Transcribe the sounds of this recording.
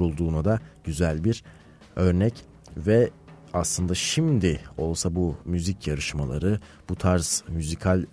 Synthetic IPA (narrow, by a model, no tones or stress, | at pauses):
ɾulˠd̪uːnad̪aɟ̥yzælʲbiɾ | ø̞ɾnɛc | vɛ | aslˠɯnd̪aʃimd̪ɪo̞lˠsabumyzicʰjaɾɯʃma̰lˠa̰ɾɯb̥ut̪ʰaɾz̥myzikʰalʲ